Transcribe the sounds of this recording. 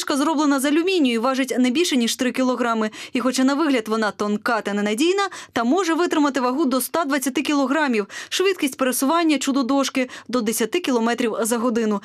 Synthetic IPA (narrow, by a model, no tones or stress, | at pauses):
ʃkɐzɾɔblˠenɐzɐlʲʊmʲinʲːɔjiʋɑʒɪtʲnɛbʲilʲʃɛnʲiʃt̪ɾɪkʲilˠɔɦɾɑmɪixɔt͡ʃɑnɐʋɪɦlʲɐd̪ʋɔnɑt̪ɔnkɑt̪ɐnɛnɐdʲijnɐt̪ɐmɔʒɛʋɪt̪ɾɪmɐt̪ɪʋɐɦud̪ɔst̪ad̪ʋɐt͡sʲːɐt̪ɪkʲilˠɔɦɾɑmʲiwʃʋɪd̪̚kʲisʲtʲpeɾesʊʋɑnʲːɐt͡ʃud̪ɔd̪ɔʂkɪd̪ɔd̪esʲɐt̪ɪkʲilˠɔmɛt̪ɾʲiwzɐɦɔd̪ɪnʊ